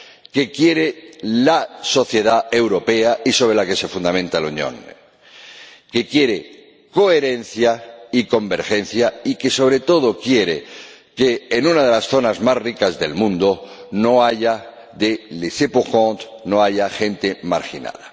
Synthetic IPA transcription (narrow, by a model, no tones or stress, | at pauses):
ke̞kje̞ɾelaso̞θje̞ðae̞wɾo̞pe̞aiso̞β̞ɾe̞lake̞se̞fund̪amẽ̞nt̪aloɲõ̰n | ke̞kje̞ɾe | ko̞eɾe̞n̟θjaiko̞mbe̞ɾxe̞n̟θjaike̞so̞βɾe̞t̪o̞ð̞o̞kje̞ɾekeːnũnað̞e̞lasθo̞nazmasrikazðe̞̰lmũnd̪o̞no̞aʝa | ðelisepoxõnt̪no̞aʝaxe̞nt̪e̞maɾxina̰ða